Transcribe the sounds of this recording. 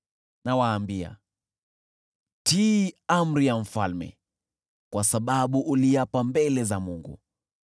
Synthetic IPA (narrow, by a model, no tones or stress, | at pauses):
nawaːmbia̰ | tiam̩ɾijam̩falmɛ̰ | kwasaɓaɓuʔːliapambɛlɛzamuŋɡṵ